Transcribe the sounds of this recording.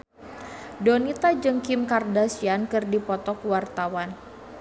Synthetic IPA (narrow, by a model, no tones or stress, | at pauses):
donit̪ad͡ʒɨŋkɪmkardasiankɨrdipɔt̪ɔkwart̪awan